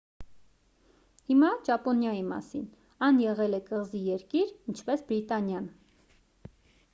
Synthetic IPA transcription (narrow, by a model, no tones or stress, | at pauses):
himɑd͡ʒɑpɔnjɑjimɑ̰sḭn | ɑnjɛʁɛlɛkəʁzijɛɾkiɾint͡ʃʰpɛsbɾit̪ɑnjɑn